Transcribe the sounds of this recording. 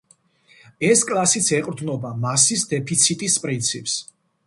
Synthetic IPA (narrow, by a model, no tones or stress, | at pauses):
ɛskʼlˠasit̪sʰɛqʼɾd̪nɔbamasisd̪ɛpʰit̪sʰit̪ʼispʼɾint̪sʰipʼs